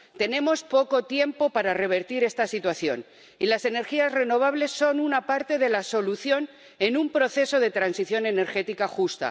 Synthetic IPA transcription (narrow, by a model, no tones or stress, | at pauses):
t̪e̞nẽ̞mo̞spo̞ko̞t̪je̞mpo̞paɾare̞β̞e̞ɾt̪iɾe̞st̪asit̪waθjo̞̰n | ilase̞ne̞ɾxiazre̞no̞β̞aβle̞sːo̞nunapaɾt̪e̞ðe̞laso̞luθjo̞n | e̞numpɾo̞θe̞so̞ð̞e̞t̪ɾansiθjo̞ne̞ne̞ɾxe̞t̪ikaxust̪a̰